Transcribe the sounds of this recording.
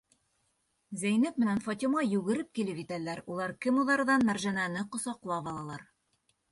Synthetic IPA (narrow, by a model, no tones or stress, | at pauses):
zæjnɘpmɘ̆nænfɑt̪ʲimɑjʉɣɘ̆ɾɘp̚kilɘpit̪ælæɾulˠɑɾkɘmuðɑɾðɑnmæɾʒænænɘqŏsɑqlˠɑβɑlˠɑlˠɑɾ